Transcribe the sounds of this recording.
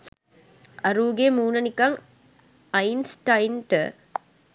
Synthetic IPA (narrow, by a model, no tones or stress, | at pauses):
ɐɾuːɡemuːnɐnikɐŋ | ɐjnsʈajnʈə̰